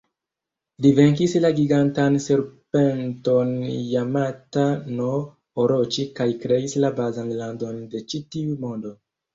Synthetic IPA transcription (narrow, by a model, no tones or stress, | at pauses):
live̞ŋk̬islaɡiɡantanseɾpe̞nto̞njamatano̞ | oɾo̞t͡ʃikajkɾe̞islabazanlando̞nde̞t͡ʃitiumo̞ndo